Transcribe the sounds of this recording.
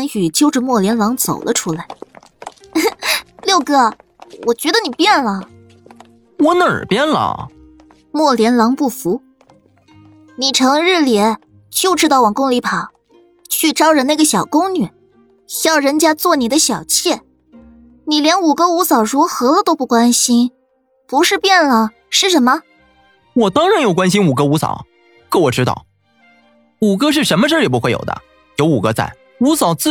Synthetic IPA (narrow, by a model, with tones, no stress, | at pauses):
nɕy˨˩t͡ɕjo˥˧ʊʈ͡ʂə˨mwɔ˥˩ljɛ˧˥nlɑ˧˥ŋt͡so˨˩ʊlʔə̰˦ʈ͡ʂʰu˥la˧˥ɪ | ljo˥˧ʊɡɤ˧˩ | wɔ˨˩t͡ɕɥɛ˧˥d̪ə˧ni˨˩pjɛ˥˩nlə˩ | wə˥nə˥˨ə̰˨˩pjɛ˥nlə̰˩ | mwɔ˥˩ljɛ˧˥nlɑ˧˥ŋpu˥˩fu˧˥ | ni˨˩ʈ͡ʂʰɤ˧˥ŋɻ̩˥˩ljɛ˧˥˦ | t͡ɕjo˥˧ʊʈ͡ʂɻ̩˥t̪ɑ˥˩ʊwɑ˨˩ŋkʊ˥ŋli˧˥pʰɑ˨˩˦ | t͡ɕʰy˥˧ʈ͡ʂɑ˥ʊʈ͡ʂə˨˩na˥˩ɡə˩˧ɕjɑ˨˩ʊkʊ˥ŋny˨˩˦ | ɕjɑ˥˩ʊɻə˧˥nt͡ɕja˥t͡swɔ˥˩ni˨˩d̪ə˦ɕjɑ˨˩ʊt͡ɕʰjɛ˥˩ | ni˨˩ljɛ˧˥nu˨˩kɤ˥u˧˥sɑ˨˩ʊɻu˧˥xɤ˧˥t̪o˥ʊpu˥˩kwa˥nɕi˥n | pu˧˥ʂɻ̩˥˧pjɛ˥˩nlə˩ | ʂɻ̩˥˩ʂə˧˥nmə˧ | wɔ˨˩t̪ɑ˥ŋɻa˧˥njo˨˩ʊkwa˥nɕ̬i˥nu˨˩kɤ˥u˧˥sɑ̰˨˩˦ʊ | kɤ˥˩wɔ˨˩ʈ͡ʂɻ̩˥ɑ̰˥˩ʊ | u˨˩kɤ˥ʂ̬ɻ̩˥˩ʂə˧˥nmə˧ʂ̩˥˩li˨˩pu˧˥xwe˥˩ɪjo̰˨˩ʊd̪ə̰˦ | jo˧˥ʊu˨˩kɤ˧˥t͡sa̰˥˩ɪ | u˧˥sɑ˨˩ʊt͡s̩˥